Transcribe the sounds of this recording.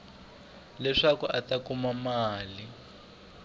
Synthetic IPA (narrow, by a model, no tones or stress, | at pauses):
lɛʂakuʔatakumamaːli